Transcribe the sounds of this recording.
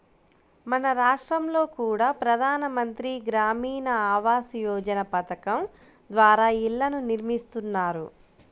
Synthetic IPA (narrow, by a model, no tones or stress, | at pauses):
mɐnɐɾaːʂʈɾɐmlo̞ːkuːɽaːpɾɐd̪ʱaːnɐmɐnt̪ɾiɡɾaːmiːnɐaːʋaːsijɔːd͡ʒɐnɐpɐt̪ɐkɐm | d̪ʋaːɾaːilːɐnuniɾmist̪unːaːɾu